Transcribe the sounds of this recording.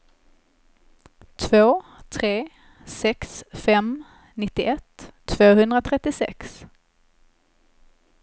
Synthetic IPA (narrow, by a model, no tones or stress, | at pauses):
t̪ʰvoːt̪ʰɾeː | sɛksfɛm | nɪt̪ːɪʔɛt̪ʰːvoːhɵnd̪ɾat̪ʰɾɛt̪ːɪsɛ̰ks